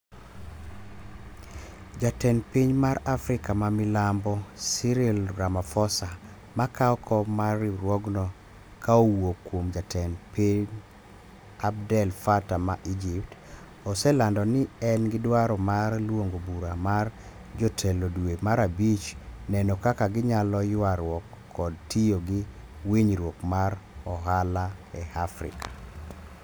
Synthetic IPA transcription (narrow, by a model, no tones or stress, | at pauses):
d͡ʒatɛnpiɲmaɾafɾɪkamamilambɔsiɾilɾamafɔsa | makaɔkʰɔmariɾwɔɡnɔ | kaowokwomd͡ʒatʰɛnpiɲ | ab̚dɛlfatamaʔid͡ʒip̚t | ɔsɛlandɔnɪɛnɡɪdwaɾɔmarlwoŋɡobuɾamar | d͡ʒɔtʰɛlodwemaɾabit͡ʃnɛnɔkakaɡɪɲalɔjwaɾwɔkʰːɔd̚tijoɡɪ | wiɲɾwokmaɾɔɦalaɛhafɾɪ̰kʰḁ